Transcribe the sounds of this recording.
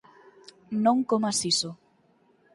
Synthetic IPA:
nõŋkomasiso

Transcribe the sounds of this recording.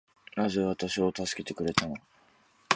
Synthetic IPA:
ɾaʑiβat̪aɕio̞t̪asɨ̥ke̞t̪e̞kɯ̟ɾe̞t̪ano̞

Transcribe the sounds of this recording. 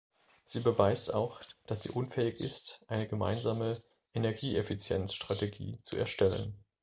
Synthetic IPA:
z̥iːbəvaɪsta̰ʊxd̥asz̥ḭːʔʊnfɛːɪçɪ̰stʔaɪnəɡəma̰ɪnzaːmə | ʔenɛɐɡiːʔefit͡sjɛnsʃtʁ̥ateɡḭːt͡sṵɛɐʃtɛlə̰n

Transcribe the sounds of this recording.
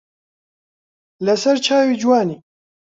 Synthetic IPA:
lɛsɛɾt͡ʃʰaːwiːd͡ʒwaːniː

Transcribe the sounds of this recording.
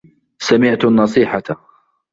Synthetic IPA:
samɪʕt̪anːɑsˤiːħat̪

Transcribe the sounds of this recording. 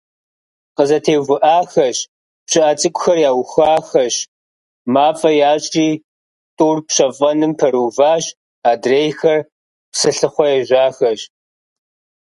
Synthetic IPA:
qəzɐtʰeːvʊʔaːxɐɕ | pɕɪʔaːt͡sʼɨkʷʼʊxɐrjaːwxaːxɐɕ | maːfʼɐjaːɕʼiː | tʼuːrpɕɐvɐnɨmpʰɐɾuːvaːɕ | aːdreːjxɐr | psɨɬɨχʷɔjɛʒʷaːxɐɕ

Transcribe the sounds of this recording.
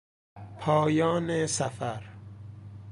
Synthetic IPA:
pʰɒːjɒːnesæfæɾ

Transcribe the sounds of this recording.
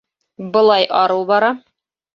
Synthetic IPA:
bɤ̆lˠɑjʔɒɾɤlˠbɒɾɑ

